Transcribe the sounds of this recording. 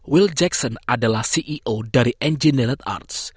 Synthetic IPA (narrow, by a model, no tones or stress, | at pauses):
wild͡ʒɛksɔnadalahsiʔiʔodaɾiʔɛnd͡ʒinɛlət̪a̰rt̪s